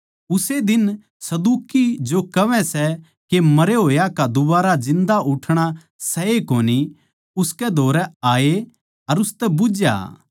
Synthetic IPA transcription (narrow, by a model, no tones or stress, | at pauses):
ʊsed̪ɪn | sɐd̪uːkid͡ʒokɐʋɛ̃sɛ | kemɐɾeɦoːjakad̪ʊbaːɾad͡ʒɪ̃nd̪aʔʊʈʰɽ̃a | sɐekoːni | ʊskɛd̪ʱoːɾɛaːe | ɐɾʊst̪ɛbʊd͡ʒja̰